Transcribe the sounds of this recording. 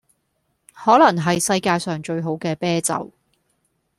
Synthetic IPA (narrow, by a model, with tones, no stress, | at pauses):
hɔː˨˥lɐ˨˩ŋɦɐ˨jsɐ˧jkaː˧jsœː˨˩ŋt͡ʃɵ˧ɥɦo˨˥wkɛː˧pɛː˥t͡sɐ̰˨˩w